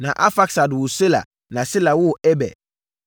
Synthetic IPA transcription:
nã˨ʔa˦fa˦ksa˨dwʊ˨se˦la̰˨ | nã˨sɪ˦la˨wʊ˦˨ɛ˦bɛ̰˨

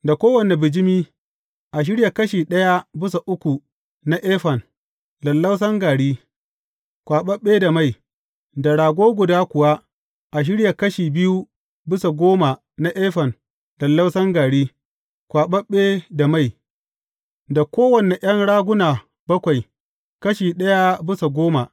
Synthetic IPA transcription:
da˨kʷoː˦wɐ˨ne˨bɪ˨d͡ʒɪ˦miː˦ | ʔa˨ʃ̬ɪ˦ɽja˨kɐ˦ʃiː˨ɗɐ˦ja˦bɪ˦sa˨ʔʊ˦kʷu˨ | na˦ʔeː˦ɸɐ˨n | lɐ˨lːa˦ws̬ɐ˦ŋɡaː˨ɽiː˦ | kʷaː˨ɓɐ˦ɓːeː˦da˨ma˦˨j | da˨ɽaː˨ɡʷoː˦ɡʷʊ˨daː˦kʷʊ˨wa˦ | ʔa˨ʃ̬ɪ˦ɽja˨kɐ˦ʃiː˨bɪ˦ju˦ | bɪ˦sa˨ɡʷoː˦ma˨ | na˦ʔɛː˦ɸɐ˨n | lɐ˨lːa˦wsɐ˦ŋɡaː˨ɽiː˦ | kʷaː˨ɓɐ˦ɓːeː˦da˨ma˦˨j | da˨kʷoː˦wɐ˨ne˨ʔj̰ɐ˦nɽaː˦ɡʷʊ˦naː˨ | bɐ˦kʷa˨j | kɐ˦ʃiː˨ɗɐ˦ja˦bɪ˦sa˨ɡʷoː˦ma˨

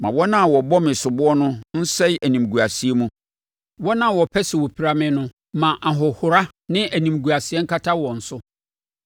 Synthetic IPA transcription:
mã˨wɔ˦nã˦˨wɔ˨bɔ˦mɪ̃˨sʊ˨bʊ˦ɔ˦nʊ̃˦n̩˦sɛ˦jæ˨nĩ˨m˨ɡu˨a˨si˨˦e˦mũ˦ | wɔ˦nã˦˨wɔ˨pʰɛ˦sɪ˨wo˨pʰi˨ɾa˦mɪ̃˦nʊ̃˦ | mã˨ʔa˨ɦɔ˨hʊ˨ɾa˦ | nɪ̃˦ʔæ˨nĩ˨mɡu˨a˨sɪ˨ɛ˦ŋ̩˦kʰa˦tʰa˦wɔ̃˨n̩˨sʊ˦

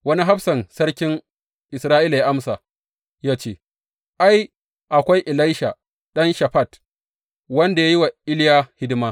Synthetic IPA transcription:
wɐ˦ni˦ɦa˦ɸsɐ˨nsɐ˦ɽkʲɪ˦n | ʔɪ˨sɾaː˦ʔɪ˦la˨ja˦ʔa˦msa˨ | jaː˦t͡ʃeː˦˨ | ʔa˦j | ʔa˨kʷa˦jʔɪ˨la˦jʃa˨ | ɗɐ˦nʃa˨ɸa˦˨t | wɐ˦nda˨ja˦ji˦wa˨ʔɪ˦ljaː˦hɪ˦dɪ˦maː˦

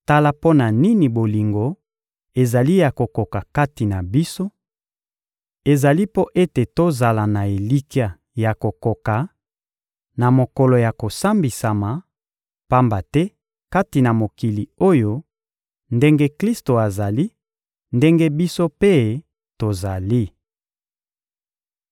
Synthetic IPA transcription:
ta˦la˦po˦na˨ni˦ni˨bo˨li˨ŋɡo˨ | e˨za˨li˦ja˨ko˨ko˨ka˨ka˦ti˨na˨bi˦so˦ | e˨za˨li˦po˦ʔe˦te˨to˦za˨la˨na˨e˨li˦ki˦a˨ | ja˨ko˨ko˨ka˨ | na˨mo˨ko˨lo˨ja˨ko˨sa˦mbi˨sa˨ma˨ | pa˦mba˨tɛ˦ | ka˦ti˨na˨mo˨ki˨li˨o˦jo˦ | nde˦ŋɡe˦kli˦sto˨a˨za˨li˦ | nde˦ŋɡe˦bi˦so˦pe˦ | to˨za˨li˦

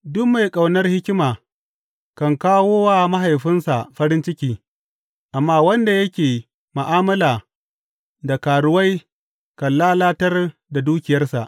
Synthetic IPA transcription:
dʊ˦kma˨jkʼa˨wnɐ˦rhɪ˦kʲɪ˦maː˨ | kɐ˨ŋkaː˦woː˦waː˦˨mɐ˦ɦa˨jɸɪ˦nsa˨ɸɐ˦ɾɪ˦nt͡ʃɪ˦kʲiː˦ | ʔa˨mːaː˦wɐ˦nda˨jɐ˦kʲeː˨ | ma˨ʔaː˦mɐ˦laː˨ | da˨kaː˨ɽʊ˦wa˦j | kɐ˨nllaː˦laː˦tɐ˦rda˨duː˦kʲɪ˨jɐ˦rsa̰˨ʔ

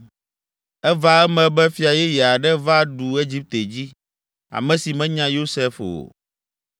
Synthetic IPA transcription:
ɛ˦va˦ɛ˦mɛ̃˨bɛ˦fi˦a˨jɛ˦jɛ˨a˨ɖɛ˦va˦ɖu˨e˦d͡ʑi˦p̚t̪e˨d͡ʑi˦ | a̰˨mɛ̃˦si˨mɛ̃˦ɲã˦jo˦sɛ˦fo̰˨

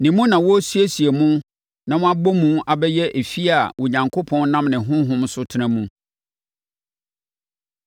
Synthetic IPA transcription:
nĩ˨mũ˦nã˨wɔ˦su˦e˦si˨e˨mũ˦ | nã˨wɔ̃˦a˦bɔ˦mũ˦a˨bɛ˦jɛ˦ʔe˨fi˦a˨wo˨ɲã˨ŋkʰo˦pʰɔ̃˦n˦nã˦mnɪ̃˨ɦʊ̃˦ɦʊ̃˦msʊ˦tʰɪ˦nã˦mũ˦

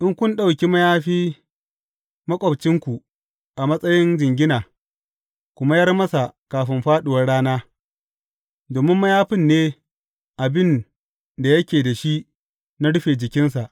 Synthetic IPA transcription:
ʔɪ˦ŋkʷʊ˦nɗa˦wkʲi˦mɐ˦jaː˦ɸiː˦ | mɐ˦kʷʼɐ˨bt͡ʃɪ˦ŋkʷu˨ | ʔa˨mɐ˦sʼɐ˦jɪ˦nd͡ʒɪ˨ŋɡʲɪ˦naː˨ | kʷʊ˦ma˦jɐ˦rmɐ˦sa˨kaː˨ɸɪ˦mɸaː˦ɗʊ˨wɐ˦rɽaː˦naː˦ | doː˨mɪ˦mːɐ˦jaː˦ɸɪ˦nːeː˦ | ʔa˨bɪ˦n | da˨jɐ˦kʲeː˨da˨ʃi˦ | na˦ɽʊ˦ɸeː˨d͡ʒɪ˨kʲɪ˦nsa˨ʔ

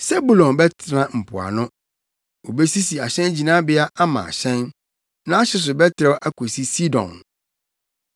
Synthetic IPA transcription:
sɛ˦bu˨lɔ̃˨nbɛ˦tʰɾã˦m̩˨pʰʊ̰˨a̰˨nʊ̃˦ | o˨bɛ˦si˦si˨a˨ɕɛ̃˦nd͡ʑi˨nã˦bɪ˦a˦ʔa˦mã̰˨a̰˨ɕɛ̃˦n | nã˦a˦ɕɪ˦s̬ʊ˨bɛ˦tʰɪ˨ɾɛ˦ʔa˦kʰo˨si˦si˦dɔ̰̃˨n

